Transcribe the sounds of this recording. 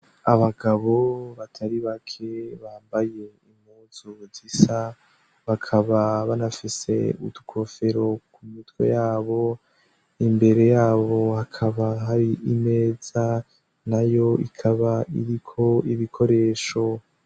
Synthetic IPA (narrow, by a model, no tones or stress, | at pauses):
aβaɡaβo̞βatʰaɾiβakʰe̞βaːmbaje̞imhuz̥uzisa | βakʰaβaβanafise̞̰ṵtu̥kʰo̞fe̞ɾo̞kumitɡwo̞̰jaːβo̞ | imbe̞ɾe̞jaːβo̞hakʰaβaɦaɾiʔime̞ːz̥a | najo̞ḭkʰaβaiɾikʰo̞iβikʰo̞ɾe̞ːʃo̞